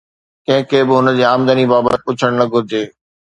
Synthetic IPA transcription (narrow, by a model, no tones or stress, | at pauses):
kɐ̃ɦɪ̃kʰeːbɪɦʊnəd͡ʑiːaːmd̪ənibaːbə̰t̪ɪpʊt͡ɕʰəɽ̃nɐɡʱʊɾɪd͡ʑeː